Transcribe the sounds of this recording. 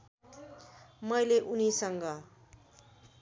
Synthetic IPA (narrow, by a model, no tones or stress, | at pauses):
mʌjleʔunisʌŋɡʌ